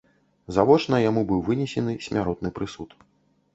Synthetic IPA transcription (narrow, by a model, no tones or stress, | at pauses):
zavɔt͡ʂnɐjamubɨwvɨnʲɛsʲɛnɨsʲmʲaɾɔt̪nɨpɾɨsut̪